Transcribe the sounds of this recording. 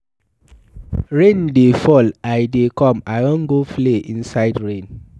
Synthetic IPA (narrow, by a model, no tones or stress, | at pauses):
ɹẽndefɔlajdekɔ̃majwɔ̃nɡofleĩnsajdɹẽn